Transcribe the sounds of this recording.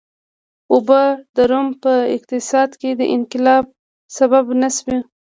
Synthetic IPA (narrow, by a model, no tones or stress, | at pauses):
ʊbəd̪aɾompəɪ̰q̚t̪ɪsɑd̪ked̪əʔɪnqɪlɑb̚ | sababnasbi